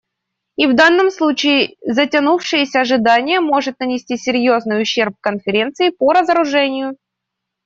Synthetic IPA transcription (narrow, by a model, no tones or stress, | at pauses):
ivd̪anːəmslˠut͡ɕɪɪzətʲɐnufʂɨjɪsʲəɐʐɨd̪anʲɪjəmo̞ʐɨt̪̚nənʲɪsʲtʲisʲɪɾʲjo̞znɨjʊɕːe̞rp̚kənfʲɪɾʲe̞nt̪sɨɪpəɾəzəɾʊʐɛnʲɪjʊ